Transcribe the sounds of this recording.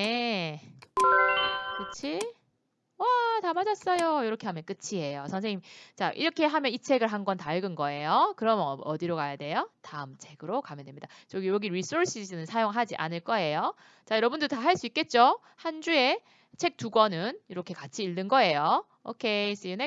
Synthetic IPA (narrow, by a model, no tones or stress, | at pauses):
e | kɯt͡ɕʰi | watamad͡ʑʌs͈ʌjojoɾʌkʰe̞ɦamjʌnk͈ɯt͡ɕʰiɦe̞josʰʌŋsʰeŋɲimit͡ɕaʔḭɾʌkʰe̞ɦamjʌnit͡ɕʰe̞ɡɯɭɦanɡʌntaɭɡɯnɡʌe̞jokɯɾʌmʌʌdiɾoɡajade̞jotaɯmt͡ɕʰe̞ɡɯɾokamjʌdemɲid̥at͡ɕʌɡijoɡiɾis͈ʰoɾs͈isʰɯnɯnsʰajoŋɦad͡ʑiʔa̰nɯɭk͈ʌe̞jo | t͡ɕajʌɾʌbundotaɦaɭs͈uik͈e̞t̚t͡ɕ͈o | hand͡ʑue̞ | t͡ɕʰe̞k̚t͈uɡwʌnɯniɾʌkʰe̞kat͡ɕʰiːɭdɯnɡʌe̞jo | o̰kʰes͈ɯjɯne